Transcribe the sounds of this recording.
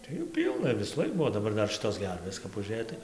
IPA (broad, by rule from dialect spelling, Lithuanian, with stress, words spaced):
tɐɪ ˈjuː ˈpʲiːlˠnɐ ʋʲɪsuːˈlˠɐɪk ˈbuɔ oː dɐˈbɐr ˈdɐr ˈʃʲɪtoːs ˈɡʲɛrʲʋʲeːs kɐp ʊˈʒʲeːj tɐɪ